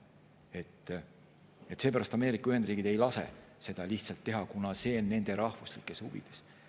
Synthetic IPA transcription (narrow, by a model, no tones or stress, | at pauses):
e̞t̪ː | et̪ːse̞ːpæɾɑst̪ɑme̞ːɾikːˑɑyhe̞nd̪riːɡ̥id̪e̞jlɑse̞̰ | se̞d̪̥ɑliht̪sɑlt̪ːe̞ɦɑkunɑse̞ːnːe̞nd̪̥e̞ɾɑhvuslikːˑe̞shuvḭd̪̥e̞̥s